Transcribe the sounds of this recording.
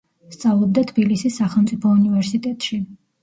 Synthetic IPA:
st̪sʼavlˠɔb̚d̪at̪ʰbilisisːaχɛlˠmt̪sʼipʰɔunivɛɾsit̪ʼɛt̪ʼʃi

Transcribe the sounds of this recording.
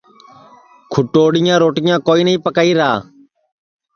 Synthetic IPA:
kʰʊʈoːɽɪjãːɾoːʈɪjãːkoːiːnəĩːpəkaːiːɾaː

